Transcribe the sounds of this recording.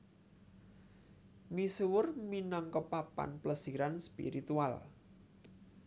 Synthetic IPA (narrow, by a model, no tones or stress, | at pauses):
misuwʊrminaŋkɔpapa̰npləsiɾanspḭɾit̪ual